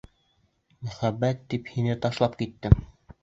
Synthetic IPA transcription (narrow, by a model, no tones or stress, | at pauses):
mæχæbːæt̪ːiphinɘt̪ɑʃlˠɑpkit̪ːɘm